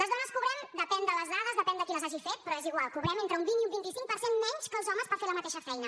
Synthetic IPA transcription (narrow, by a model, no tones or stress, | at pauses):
ləzðonəskuβɾɛmd̪əpɛnd̪ələzðaðəzðəpɛnd̪əkinəzaʒifet̪̚pɾɔeziɣwalˠkuβɾɛment̪ɾəumbiniumbint̪isiŋk̚pəɾsenmɛɲskəlˠzɔməspəɾfeləmət̪eʃəfɛjnə